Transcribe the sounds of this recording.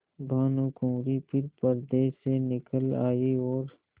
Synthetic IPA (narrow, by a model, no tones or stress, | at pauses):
bʱaːnukõːɾipʰɪɾpəɾd̪eːsenɪkəla̰ːiɔːɾ